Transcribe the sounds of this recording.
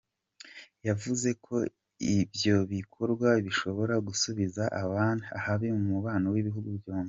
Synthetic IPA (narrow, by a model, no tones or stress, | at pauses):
javuze̞kʰo̞ | ibjo̞βikʰo̞ɾɡwaβiʃo̞βo̞ɾaɡusuβizaʔaβaːniahaβemumuβaːnowiβiɦuɡubjoːne